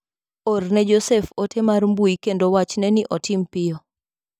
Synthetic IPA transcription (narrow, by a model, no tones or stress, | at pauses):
ornɛd͡ʒosɛfotʰemarmbuikendowat͡ʃnɛnɪʔɔtɪmpɪjɔ